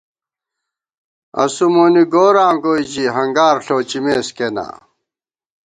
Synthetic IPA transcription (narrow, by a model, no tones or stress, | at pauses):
ɐ̰sumoːniɡoːɾaːmɡoːid͡ʑiɦɐŋɡaːɾɬoːt͡ɕimeːskena̰ː